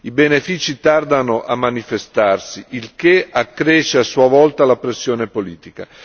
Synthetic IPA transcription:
ibenefiːt͡ʃit̪ard̪anoʔamːanifest̪arsiilkeakːɾeːʃeasːuavɔlt̪alapɾesːjoːnepoliːt̪ika

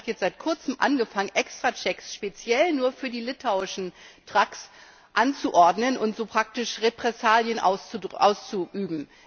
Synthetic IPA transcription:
tjɛt͡stz̥aɪt̚kʰʊɐt͡səmʔa̰nɡəfaŋənʔɛkstʁ̥at͡ʃɛksʃpet͡sjɛlnuːɐfyːɐdiːlɪtʰaʊɪʃn̩tʁ̥aks | ʔant͡suʔɔɐdnənʊntz̥oːpʁ̥ak̚tɪʃʁepʁ̥ɛsaːljənʔa̰ʊsʔa̰ʊst͡suʔyːbm̩

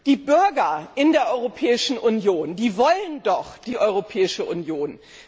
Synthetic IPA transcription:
d̥iːbʏɐɡɐʔɪndeːɐʔɔʏʁopʰɛːɪʃn̩ʔʊnjoːndiːvɔləndɔχd̥iːʔɔʏʁ̞opʰɛːɪʃəʔʊnjoːn

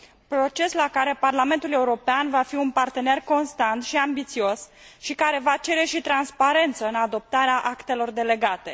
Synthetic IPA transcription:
pɾo̞t͡ʃe̞slakaɾe̞parlame̞nt̪ule̞uɾo̞peanvafiunpart̪e̞ne̞rko̞nst̪ant̪ʃiambit̪sio̞s | ʃikaɾe̞vat͡ʃe̞ɾe̞ʃit̪ɾanspaɾe̞nt̪səɨnad̪o̞p̚t̪aɾeaʔakt̪e̞lo̞rd̪e̞le̞ɡat̪e̞

